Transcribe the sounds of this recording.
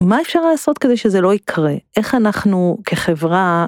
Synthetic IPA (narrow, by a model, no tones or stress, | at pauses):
mae̞fʃaʁlaːso̞t̪ked̪ejʃe̞zelo̞ikʰʁeʔe̞χanaχnukʰe̞χevʁa